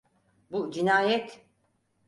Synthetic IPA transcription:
bud͡ʒinaːjɛt̪

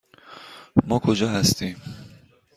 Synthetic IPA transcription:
mɒːkʰod͡ʒɒːhæst̪ʰiːm

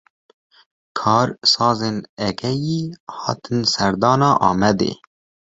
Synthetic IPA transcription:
kʰɑːɾsɑːzeːnɛkʰɛjiːhɑ̰ːt̪ʰɨnsæɾd̪ɑːnɑːʔɑːmɛd̪ḛː

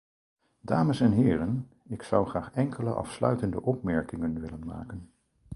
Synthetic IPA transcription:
daːməsɛnɦɪːɾən | ɪksʌwχraːχɛŋkʰələʔɑ̰fslœ̰ɥtəndəʔɔpmɛɹkɪŋənʋɪlənma̰ːkən

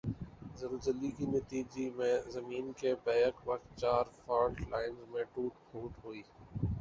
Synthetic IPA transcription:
zəɾəd͡ʒəlikinət̪iːd͡ʒimẽzəmiːnkebɛːjəkʋəkt̪̚t͡ʃaːɾfaːɾʈlaːɪnzmẽːʈuːʈ̚hõːʈɦoiː

